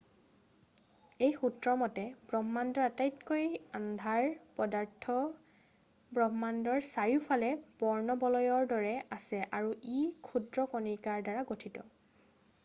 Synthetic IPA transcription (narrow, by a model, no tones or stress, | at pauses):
ejxutɹɔmɔtɛbɹɔɦmandɔɹatajtkojandʱaɹpɔdaɹtʰɔ | bɹɔɦmandɔɹsaɹipʰalɛbɔɹnɔbɔlɔjɔɹdɔɹɛʔasɛʔaɹuʔikʰudɹɔkɔnikaɹdaɹaɡotʰitɔ